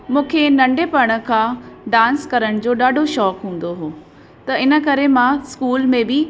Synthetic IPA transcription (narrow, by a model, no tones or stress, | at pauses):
mũːkʰenɐ̃ɳɖepɐɽ̃ə̆kʰãːɖãːnskɐɾəɽ̃d͡ʑoːɗaːɖʱoʃɔːkɦũːn̆d̪oɦoː | t̪ɐɪnə̆kɐɾemãskuːlmẽbɪ